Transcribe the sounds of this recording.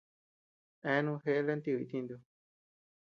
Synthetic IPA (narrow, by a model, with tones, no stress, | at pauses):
ɛ̃˧˦nũ˧ɦe˧ʔle˦nt̪i˧˨i˧˨˧t̪ĩ˧nd̪u˧